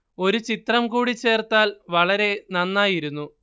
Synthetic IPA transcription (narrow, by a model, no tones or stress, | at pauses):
o̞ɾut͡ɕit̪rɐmkuːɽit͡ɕːe̞ːrt̪aːlʋɐɭɐɾe̞nɐnːaːjiɾunːu